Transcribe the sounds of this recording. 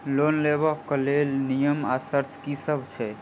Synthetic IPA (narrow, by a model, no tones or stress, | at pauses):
lonlebəkːəlelnijəmasəɾt̪ʰkisəbʱt͡ʃʰɛ